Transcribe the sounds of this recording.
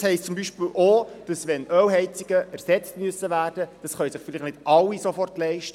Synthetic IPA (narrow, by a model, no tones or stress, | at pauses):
hɛɪstt͡sʊmbiʃpɪlʔoːd̥ɑsʋɛnœwɦɛɪt͡siɡ̥əʔæɾsɛt͡stmyəsːəvæːrd̥əd̥ɑsχœʏjsəχfɪlɪχnɪd̥ʔɑlːisofɔrtlɛɪʃtə